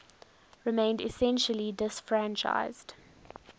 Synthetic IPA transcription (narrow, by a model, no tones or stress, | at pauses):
ɹɪmẽɪ̃ndɪsɛ̃nʃəlidɪsfɹæ̃nt͡ʃa̰ɪz̥d̥